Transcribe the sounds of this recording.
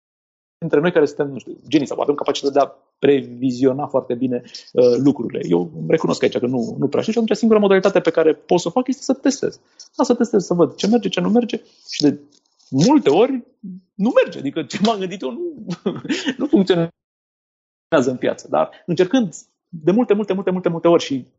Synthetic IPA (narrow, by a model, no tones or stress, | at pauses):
d̪int̪ɾeo̞jkaɾesunt̪emnũʃt̪ṵd͡ʒe̞nisa̰wa̰vemkapat͡ʃit̪at̪d̪ea | pɾe̞vizio̞nafoart̪e̞bine̞əlukɾuɾile̞̰je̞wre̞kuno̞skait͡ʃakənunupɾḛʃinʃat̪unt͡ʃasiŋɡuɾamo̞d̪alit̪at̪e̞pe̞kaɾe̞po̞t̪sofakje̞st̪esət̪e̞st̪e̞̰z̥ | asət̪e̞st̪e̞zsəvəd̪t͡ʃe̞me̞rd͡ʒe̞t͡ʃe̞nume̞rd͡ʒe̞ | ʃid̪e̞ | mult̪e̞o̞rʲ | nume̞rd͡ʒea̰d̪ikət͡ʃemamɡɨnd̪it̪jonu | nufuŋkt̪sion | eazəɨnpja̰t̪sə̥d̪a̰rɨnt͡ʃe̞rkɨnd̪ | d̪e̞mult̪e̞mult̪emult̪emult̪emult̪e̞o̞rʲʃi